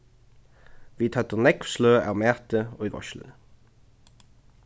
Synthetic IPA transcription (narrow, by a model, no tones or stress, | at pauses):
ʋiːt̪ʰœt̪əʁnɛkfsløːæ̰ːʁmæːt̪əoːiːʋɔ̰ʃl̩̰